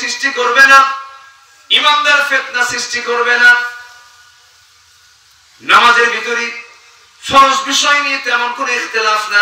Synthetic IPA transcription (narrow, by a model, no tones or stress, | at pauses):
sɾisʈikoɾbena | imamd̪aɾfet̪̚nasɾisʈikoɾbena | namad͡ʑeɾbit̪oɾi | ʃɔɾoʃbiʃɔjnijet̪eɛmonkoniixt̪elafna